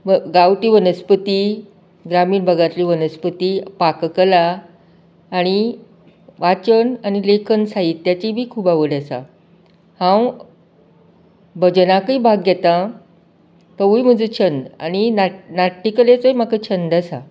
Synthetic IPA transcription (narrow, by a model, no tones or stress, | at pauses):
məɡawʈiːʋənəspət̪i | ɡɾamiːnbʱəɡãt̪liːʋənəspət̪iːpakkəlaː | ɽ̃i | ʋat͡ɕənanilekʰənsait̪ːjat͡ɕibʱiːkʰuːbaʋəɽasa̰ | hãw | bəd͡ʑənakiːbʱaɡjɛt̪ã | k̪əʋujm̤əd͡zuːt͡ɕʰənd̪a̰ninanaʈːikəlet͡sojm̤akət͡ɕʰənd̪əsa̰